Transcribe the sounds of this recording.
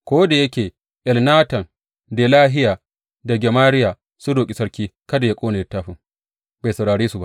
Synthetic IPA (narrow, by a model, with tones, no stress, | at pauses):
kʷoː˦da˨jɐ˦kʲeː˨ | ʔɪ˨lnaː˦tɐ˨n | de˨laː˦ɦɪ˦jaː˨ | da˨ɡʲɐ˨maː˦ɾɪ˦jaː˨ | su˦doː˨kʲʼi˨sɐ˦ɽkʲiː˦kɐ˦da˨ja˦kʷʼoː˦ne˨jtːaː˦ɸɪ˨ŋ | ba˨sɐ˨ɽaː˨ɽeː˦su˨ba˦ʔ